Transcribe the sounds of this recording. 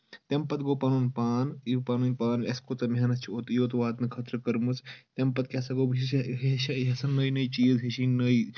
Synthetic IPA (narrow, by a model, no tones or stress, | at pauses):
t̪empɐt̪ɡoːpaːnuːnpaːnipaːnunʲpaːneskot̪ɐmɦɐnɐst͡ʃʰiot̪joːt̪ʋaːt̪nɨkʰɐt̪ɾɨkɐɾmust̪empɐt̪̚kʲɐsɐɡoːbiiɦeʃɐɦɐsɐnːɐjnɐit͡ʃiːzɦeʃinɐj